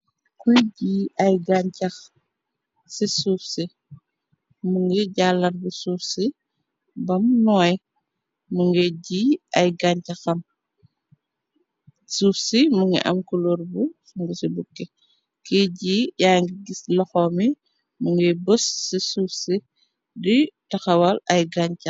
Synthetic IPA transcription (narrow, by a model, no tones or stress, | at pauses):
kujɟiːɐjɡaɲcɐx | sisufsi | muŋɡɛɟaːlːɐnbusufsi | bɐmnɔj | muŋɡɛɟiɐjɡaɲcɐxɐm | sufsimuŋɡḭʔɐ̰mkuloɾbusuŋɡusibukːe | kiɟijaːŋɡiɡislɔxɔmi | muŋɡɛbusːisuːfsi | ditɐxɐwɐlɐjɡaɲcɐ